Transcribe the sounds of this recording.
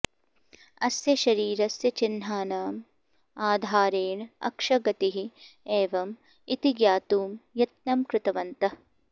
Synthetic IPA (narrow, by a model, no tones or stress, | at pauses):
ɐsjɐʃɐɾiːɾɐsjɐt͡ʃin̤ːaːnaːm | aːd̪ʱaːɾeːɳɐ̰kʂɐɡɐt̪iɦieːʋɐm | it̪iɡjaːt̪uːmjɐt̪̚nɐmkɾɪt̪ɐʋɐnt̪ɐ